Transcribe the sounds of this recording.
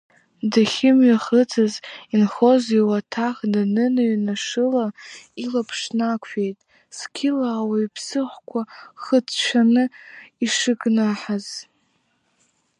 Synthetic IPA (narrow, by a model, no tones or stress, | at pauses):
daχʲɪmɥaχət͡sʰazinχo̞ziwatʰaχdanɨnaɥnaʂɨlailapʰʂnakʷʰejtʼ | skʲʰɪlaːwaipʰsɨχʷkʷʰaχət͡sʰt͡ʃʷʰanɨiʂɨɡnaħaz̥